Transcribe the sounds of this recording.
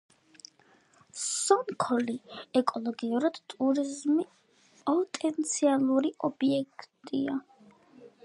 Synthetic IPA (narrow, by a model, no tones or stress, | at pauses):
sɔŋkʰɔliɛkʼɔlˠɔɡiuɾad̪̥t̪ʼuɾizmi | pʼɔt̪ʼɛnt̪sʰialˠuɾiʔɔbiɛkʰt̪ʼia